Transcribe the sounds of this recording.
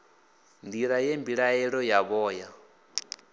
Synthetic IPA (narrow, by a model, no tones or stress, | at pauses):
ndiɺajembiɺaɛɺɔjaβɔːja